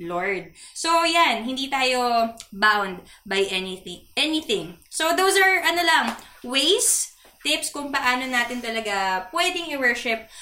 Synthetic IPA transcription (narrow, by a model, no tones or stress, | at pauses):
loɹd̪̚sojanɦɪnd̪iːt̪aːjo̞bawnd̪̚bɐjʔɛnɪθɪʔɛnɪθɪ̃ŋsod̪owsɐɹʔɐnolɐŋwejs | t̪ɪpskʊŋpɐʔaːnonaːt̪ɪnt̪ɐlɐɡapwɛd̪ɪŋɪwɛɹʃɪp̚